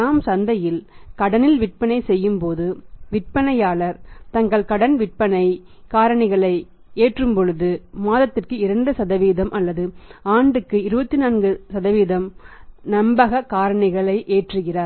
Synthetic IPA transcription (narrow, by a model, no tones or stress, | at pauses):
aːmsɐnd̪ɐjɪlkɐɽɐnɪlʋɪʈ̚pɐnɐɪsɛjːɯmpoːðɯʋɪʈ̚pɐnɐjaːɭɐɾt̪ɐŋɡɐɭkɐɽɐnʋɪʈ̚pɐnɐɪ | kaːɾɐɳɪɣɐɭɐɪ | eːʈrɯmpɔɻɯðɯmaːðɐt̪ːɪrkɯɪɾɐɳɖɯsɐðɐʋiːðɐmʔɐlːɐðɯaːɳɖɯkːɯɪɾɯbɐt̪ːɪnaːnɡɯsɐðɐʋiːðɐmnɐmbɐɣɐkaːɾɐɳɪɣɐɭɐɪʔeːʈrɯɣɪraːɾ